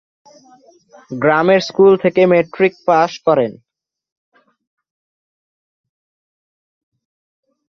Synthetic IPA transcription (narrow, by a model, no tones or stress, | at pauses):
ɡɾameɾskult̪ʰekemeʈɾik̚paʃkɔɾen